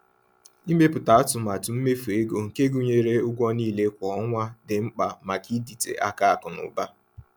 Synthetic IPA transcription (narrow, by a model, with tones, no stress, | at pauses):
i˦me˦pʊ˨ta˨˦tʊ˨ma˨tʊ˨m̩˦me˦fe˦ɡo˨ŋ̩˨ke˦ɡu˨ɲe˦ɾe˦ʊ˦ɡʷɔ˦niː˦˨le˦kʷɔ˨˦ŋʷa˦dɪ˨ŋ͡m̩˦k͡pa˨ma˨ki˦di˨tḛ˨ʔa˦ka˦a˨kʊ˨nʊ̰˨ba˦